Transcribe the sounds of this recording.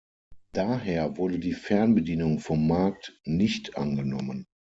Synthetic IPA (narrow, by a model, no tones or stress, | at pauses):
d̥aːɦeːɐvʊɐdədiːfɛɐnbədiːnʊŋfɔmːaɐk̚tnɪçtʔa̰nɡənɔmən